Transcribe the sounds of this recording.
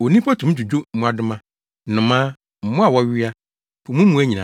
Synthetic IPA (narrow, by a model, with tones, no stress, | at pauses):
o˨nĩ˦pʰa˦tʰũ˨m˦d͡ʑᶣu˨d͡ʑo˦mũ˨a˨dʊ˦mã˦ | nʊ̃˨mãː˦ | m̩˨mʊ̃˦a˨wɔ˦ɥɪ˦a˦ | pʰʊ˨mũ˦mũ˨˦æ˦ɲĩ˨nã̰˨˦